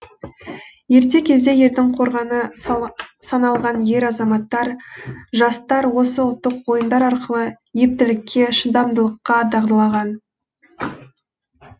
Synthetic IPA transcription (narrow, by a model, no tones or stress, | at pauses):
je̞ɾt̪̬e̞kʲʰe̞zd̪e̞je̞ɾd̪ɪŋqʰo̞ɾʁɑnə | sɑnɑlˠʁɑnje̞ɾɑzɑmɑt̪ːɑɾʒɑst̪ɑɾwo̞səʊlˠt̪ːəqwo̞jənd̪ɑɾɑɾqəlˠə | je̞p̚t̪ɪlɪkʲʰːe̞ʃənd̪ɑmd̪əlˠəqːɑd̪ɑʁd̪əlˠɑʁɑn